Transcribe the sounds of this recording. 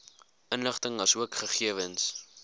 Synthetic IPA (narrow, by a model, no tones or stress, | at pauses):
ʔənləχtəŋvɐsuəkχəχiəvəns